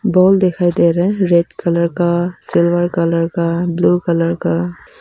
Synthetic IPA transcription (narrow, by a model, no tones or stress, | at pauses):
bɔld̪ekʰajd̪eɾɛɾeɖkələɾkasɪlʋəɾkɐləɾkabluːkələɾka